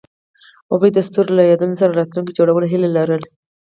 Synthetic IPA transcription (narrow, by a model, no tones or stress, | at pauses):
awəjd̪ast̪uɾlajɑd̪unosaɾaɾɑt̪luŋkid͡ʒoɽawəleɦɪlelaɾəl